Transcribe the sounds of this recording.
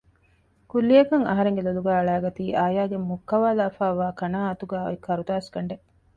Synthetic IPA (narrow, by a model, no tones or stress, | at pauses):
kulːijɐkɐŋɐ̰ɦɐɾeŋɡeloluɡæːɐɭæːɡɐt̪iːʔaːjaːɡemːukːɐʋaːlaːfaːʋaːkɐnaːɐt̪uɡæːo̰ekːɐɾut̪aːskɐɳɖe